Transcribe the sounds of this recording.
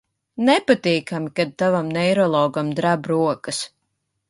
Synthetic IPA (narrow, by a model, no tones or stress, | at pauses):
nɛpat̪ʲiːkamikad̪̚t̪avamnɛjɾɔlˠɔːɡamd̪ɾabɾuɔkɨs